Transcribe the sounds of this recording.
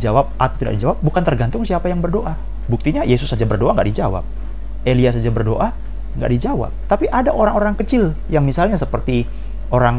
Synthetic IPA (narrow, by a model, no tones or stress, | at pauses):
d͡ʒawap̚ʔat̪awt̪ida̰ʔdid͡ʒawap̚bukant̪ərɡant̪ʊŋsiapajaŋbərdoʔa | buk̚t̪iɲajesʊsːad͡ʒabərdoʔaŋɡa̰ʔdid͡ʒawa̰p̚ | elias̬ad͡ʒabərdoʔa | ŋɡa̰ʔdid͡ʒawa̰p̚t̪apiʔadaʔoɾaŋoɾaŋkət͡ʃɪl | jaŋmisalɲasəpərt̪i | oɾaŋ